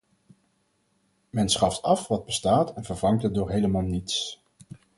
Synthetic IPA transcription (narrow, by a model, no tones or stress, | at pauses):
mɛnsχɑftɑfʋɑd̚bəstaːtɛnvəɹvɑŋtət̚dʊːɹɦejləmaːlˠnits